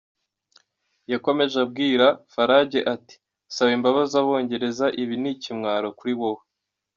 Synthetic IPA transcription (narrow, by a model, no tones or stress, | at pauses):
jako̞me̞ʒab̚ɡiːɾafaɾaːɟe̞ʔati̥ | saβimbaβazaβo̞ːɲɟe̞ɾe̞zaʔiβinicimŋaːɾokuɾiβo̞ho